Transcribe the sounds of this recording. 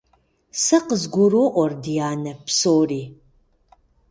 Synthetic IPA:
sɐqəzɡʷʊroːʔʷɔrdijaːnɐpsoːriː

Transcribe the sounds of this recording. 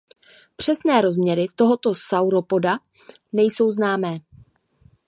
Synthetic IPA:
pr̝̥ɛsnɛːɾo̞zmɲɛɾɪt̪o̞ɦo̞t̪o̞sawɾo̞po̞da | nɛjso̞wznaːmɛː

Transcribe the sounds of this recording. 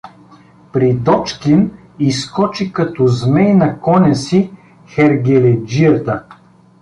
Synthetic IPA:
pɾid̪ɔt͡ʃkin | iskɔt͡ʃikɐt̪ɔzmɛjnɐkɔnʲɐsi | xɛɾɡʲɛlɛd͡ʒiət̪ə

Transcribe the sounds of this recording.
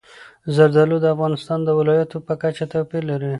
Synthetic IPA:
zaɾzalod̪əafɣɑnɪst̪ɑnd̪əwɪlɑjat̪opəkat͡ʃet̪apelaɾi

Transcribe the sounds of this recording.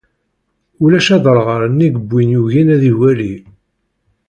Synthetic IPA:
ulæʃɑðˤəɾˤʁəɾənːiɡəbːinjuʝinæðiwæli

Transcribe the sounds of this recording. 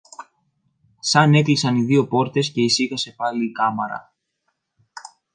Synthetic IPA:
sɐne̞klisɐniðio̞po̞ɾt̪e̞sce̞isiɣɐse̞pɐliːkɐmɐɾɐ̰

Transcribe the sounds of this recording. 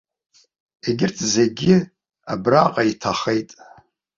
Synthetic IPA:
eɡʲɪrtʰze̞ɡʲɪ | abraqʼaitʰaχe̞jtʼ

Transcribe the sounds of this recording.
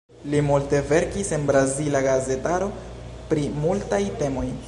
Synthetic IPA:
limulte̞ve̞ɾkisenbɾazilaɡaze̞taɾo̞ | pɾimultajte̞mo̞j

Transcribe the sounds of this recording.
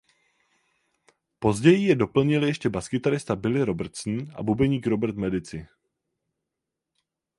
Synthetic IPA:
po̞zɟɛjɪjɛdo̞pl̩ɲɪljɛʃcɛbaskɪt̪aɾɪst̪abɪlɪɾo̞bɾt̪sn̩ʔa̰bubɛɲiːkɾo̞bɾt̪mɛdɪt͡sɪ

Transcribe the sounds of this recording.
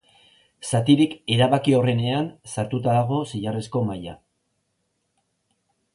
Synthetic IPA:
sat̪iɾike̞ɾaβakio̞re̞ne̞ansaɾt̪ut̪aðaɣ̞o̞siʎaresko̞maja

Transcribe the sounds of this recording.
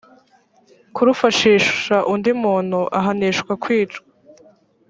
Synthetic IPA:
kuɾufaʃiːʃaʔundimuːn̥huʔaɦaniʃkwakwiːt͡ʃɡa

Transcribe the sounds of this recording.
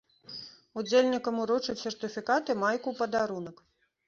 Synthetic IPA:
ud͡zʲelʲnʲikɐmuɾɔt͡ʂɨsʲɛrt̪ɨfʲikat̪ɨmajkupɐd̪aɾunɐk

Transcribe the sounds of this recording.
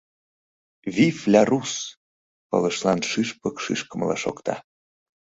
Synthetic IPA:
vʲiflʲærus | pɤ̰lə̆ʃlɑnʃiʃpəkʃḭʃkəmlɑ̰ʃo̰kt̪ɑ

